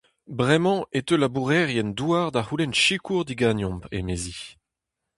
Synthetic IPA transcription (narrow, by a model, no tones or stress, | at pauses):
bʁɛmɑ̃ʔet̪ølabuʁɛʁjɛnd̪uaʁd̪ahulɛnʃikuʁd̪iɡanjɔ̃mpḛmezi